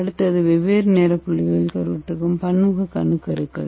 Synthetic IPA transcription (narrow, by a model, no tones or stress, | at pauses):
ɐɽɯt̪ːɐðɯʋɛʋeːɾneːɾɐpːʊɭːɪɣɐɭɪlkɐɾʋɐʈːɯkːɯmpɐɳːɯɣɐkːɐɳːɯkːɐɾɯkːɐ̰ɭ